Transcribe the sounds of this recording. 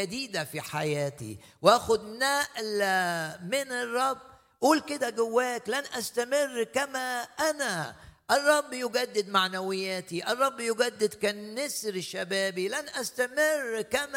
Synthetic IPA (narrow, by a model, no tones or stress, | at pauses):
ad̪iːd̪afiħajæːt̪ḭ | wʔæːxʊd̪næʔl | mɪnɪrˤːɑbː | ʔuːlkɪd̪æɡʊwːæːklænʔæst̪amɪrːkæmæʔænaʔɪrˤːɑbːjʊɡæd̪ːɪd̪maʕnawɪjːæːt̪iʔɑrˤːɑbːjʊɡæd̪ːɪd̪kænːɪsɾɪʃːabæːbilænʔæst̪amɪrːkæm